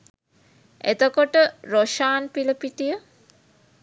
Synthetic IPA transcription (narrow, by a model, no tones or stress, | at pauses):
ḛt̪əkoʈəɾoʃaːnpiləpiʈijə